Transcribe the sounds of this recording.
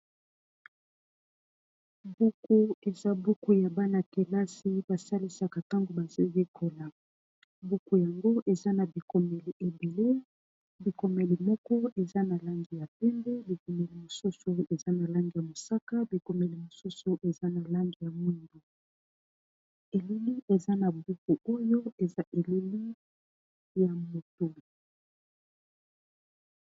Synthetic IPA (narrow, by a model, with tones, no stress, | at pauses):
bu˦ku˦e˨za˦bu˦ku˦ja˨ba˦na˨ke˨la˦si˦ba˨sa˦li˦sa˨ka˨ta˦ŋɡo˨ba˨zo˦je˦kʰo˨la˨ | bu˦ku˨ja˨ŋɡo˦ʔe˨za˦na˨bi˨ko˨me˨li˨ʔe˨be˨le˦ | bi˨ko˨me˨li˨mɔ˦kɔ˦e˨za˦na˨la˦ŋɡi˨ja˨pe˦mbe˦bi˨ko˨me˨li˨mo˨su˦so˨e˨za˦na˨la˦ŋɡi˨ja˨mo˨sa˦ka˦bi˨ko˨me˨li˨mo˨su˦so˨ʔe˨za˦na˨la˦ŋɡi˨ja˨mo˦ndo˨ | e˨li˦li˦ʔe˨za˦na˨bu˦ku˨o˦jo˦e˨za˦ʔe˨li˦li˦ | ja˨mo˨to˨